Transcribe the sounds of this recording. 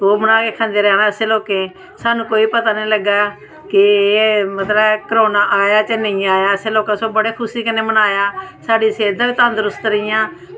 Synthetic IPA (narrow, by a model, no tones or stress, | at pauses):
t̪oːbənaːkeːkʰãːnd̪eːɾɛːlãːəseːloːkeː | saːnũːkoːiːpət̪aːnẽːləɡaː | kɪeːmət̪ləbkəɾoːnaːʔaːjaːt͡ʃenəĩːaːjaːəseːloːkãːsoːbəɽeːkʰʊsiːkəneːbənaːjaːsaːɖiːseːɾd̪aːʋiːt̪ãːnd̪əɾʊst̪ɾəijãː